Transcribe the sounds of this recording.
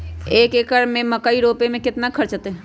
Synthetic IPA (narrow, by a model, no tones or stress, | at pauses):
eːkeːkəɾmẽməkaiɾoːpemẽkɪt̪nakʰəɾt͡ʃət̪e